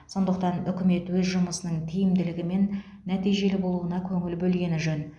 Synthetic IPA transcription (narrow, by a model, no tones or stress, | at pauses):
so̞nd̪əq̚t̪ɑnʏkʲɪme̞t̪wɵzʒʊməsənəɴt̪ʰijɪmd̪ɪlɪɡʲɪme̞nː | æt̪ijʒe̞lɪbo̞lˠuənɑkʲʰɵŋɪlbɵlɡʲe̞nɪʒɵn